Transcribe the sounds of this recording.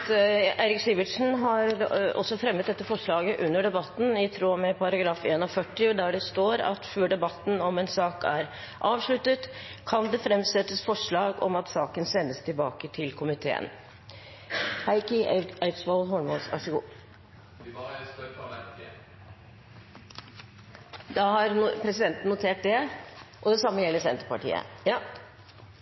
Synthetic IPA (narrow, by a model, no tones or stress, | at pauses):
ʔeːɾɪksiːʋəʈʂn̩ɦɑɾɔ̰sːɔfɾɛmːət̪̚d̪ɛt̪ːəfɔʂɭɑːɡəʔʉnːəɖɛbɑt̪ːn̩ɪt̪ʰɾoːmɛpʰɑɾɑɡɾɑːfeːnɔfœʈːɪɔd̪æɖɛst̪oːɾɑ̰t̪føːɖɛbɑt̪ːn̩ɔmɛnsɑːkæ̰ɾ | ʔɑːʋʂɭʉt̪ːət̪kʰɑnd̪ɛfɾɛmsɛt̪ːəsfɔʂɭɑːɡɔ̰mɑt̪sɑːkənsɛnːəst̪ʰɪlbɑ̰ːkət̪ʰɪlkʰʊmɪt̪ʰḛːə̰n | hæɪkɪæɪt̪sʋɑlɦɔɳmɔsʋæ̰ʂəɡṵː | d̪ɑhɑɾpʰɾɛsɪd̪ɛnt̪n̩ːʊt̪ʰeːʈ̚d̪ɛʔɔd̪ɛsɑmːəjɛlːəsɛnt̪ə̥pɑʈḭːə̰